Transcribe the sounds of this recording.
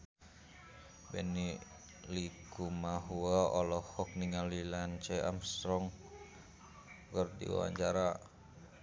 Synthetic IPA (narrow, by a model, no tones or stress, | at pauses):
bɛni | likumaɦuaɔlɔhɔk̚niŋalilant͡ʃɛʔa̰mst̪ɾɔŋ | kərdḭwa̰wa̰ɲd͡ʒaɾa